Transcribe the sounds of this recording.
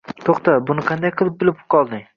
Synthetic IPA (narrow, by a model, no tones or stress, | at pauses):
t̪ʰoχt̪abʊnɪqʰɑnd̪ajqʰɨlˠɪp̚bɪlˠɪp̚qʰɒlˠd̪ɪŋ